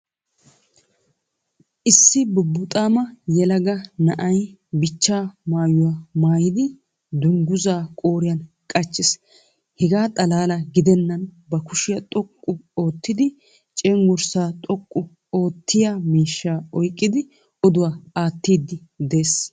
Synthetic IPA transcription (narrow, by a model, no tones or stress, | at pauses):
ʔɪsːɪbʊbːʊt̪ʼaːmɐjɛlɐɡɐnɐʔɐjbɪt͡ʃːaːmaːjʊwamaːjɪd̪ɪ | d̪ʊŋɡʊzaːkʼo̞ːɾɪjɐn | kʼɐt͡ʃːɪs | hɛɡaːt̪ʼɐlaːlɐɡɪd̪ɛnːɐnbɐkʊʃɪjɐt̪ʼɔkʼːʊoːt̪ːɪd̪ɪ | t͡ʃʼɛŋɡʊɾsaːt̪ʼɔkʼːʊ | o̞ːt̪ːɪjamiːʃːaːɔjkʼːɪd̪ɪ | ɔd̪ʊwaːaːt̪ːiːd̪ːɪ | d̪e̞ːs